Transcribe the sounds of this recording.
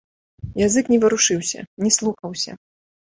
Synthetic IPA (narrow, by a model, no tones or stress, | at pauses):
jazɨknʲɛvɨɾuʂɨwsʲɐ̰nʲɛslˠuxɐwsʲɐ̰